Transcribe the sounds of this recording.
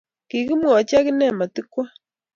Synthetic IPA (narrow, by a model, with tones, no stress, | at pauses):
ki˨ɣi˦mwɔ˨t͡ʃja˦ki˦nɛ˦˨ma˨ti˦kwa˦